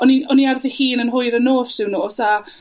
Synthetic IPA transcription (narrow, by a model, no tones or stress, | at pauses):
ɔniɔniarðihiːnənɦʊɨɾənoːθd̥ɪwnuːɔsa